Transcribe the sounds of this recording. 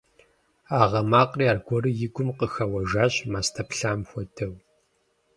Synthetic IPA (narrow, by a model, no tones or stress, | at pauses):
aːʁɐmaːqʼriːaːrɡʷɔrɨjɪɡʷʊmqəxɐwɐʒaːɕmaːstʰɐpɬaːmxʷɔdʰɐw